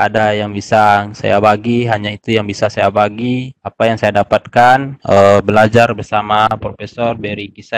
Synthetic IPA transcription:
adajaŋbisasa̰ja̰baɡiɦaɲait̪ujaŋbisasajabaɡiapajaŋsajadapat̪̚kanʔəbəlad͡ʒarbərsamapɾofesɔrbɛɾikisa

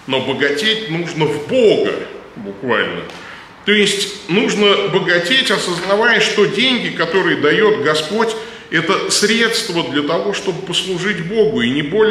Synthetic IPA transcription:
no̞bəɡɐtʲetʲnuʐnəvboɡə̰bʊkva̰lʲnə̰ | t̪oɪsʲtʲnuʐnəbəɡɐtʲetʲɐsəznɐvajəʂt̪o̞dʲenʲɡʲɪkɐt̪o̞ɾɨjəd̪ɐjo̞t̪ɡɐspo̞tʲ | ɛt̪əsɾʲe̞t̪st̪vəd̪lʲɐt̪ɐvo̞ʂt̪o̞bɨpəslˠʊʐɨtʲbo̞ɡʊinʲɪbo̞lʲ

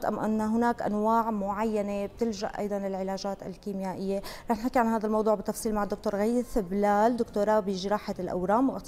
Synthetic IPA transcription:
t̪ʔa̰mʔɪ̰nːaɦʊnaːkʔa̰nwaːʕmʊʕajːaneb̚t̪ɪlʒa̰ʔʔɑ̰jd̪ˤɑnlɪlʕɪlaːʒaːt̪a̰lkiːmjaːʔɪjːeɾɑːħnfakːiʕanhaːd̪almɑwd̪ˤuːʕbɪt̪ːɑfsˤiːlmaʕad̪ːʊkt̪oːɾɣasɪblaːld̪ʊkt̪oːɾˤabjʒɾɑːħalʔa̰wɾaːmwʔ̪

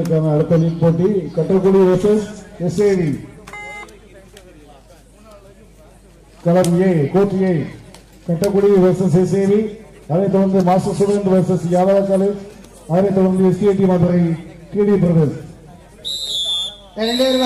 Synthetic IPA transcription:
ɾkːaːnɐɐɽɯt̪ːɐlinpoːʈːikɐʈːɐkːʊɽiʋɛsɐsɛseːʋi | kɐlɐmjɐkoːʈːɪjɐɪ | kɐʈːɐkːʊɽiʋɛsɐsɛseːʋi | ɐðɐɪt̪ɔɽɐnd̪ɯmaːsɐsuʋeɳɖʋɐɾsɐsjaːðaːðɐkːɐlɐ | ɐðɐnɐɪt̪ɔɽɐɾnd̪ɯɛsieʈ̪ːimɐðɐɾɐɪʈiːɽipɪɾɐʋeːs | ɐɐɳɖeɾʋ

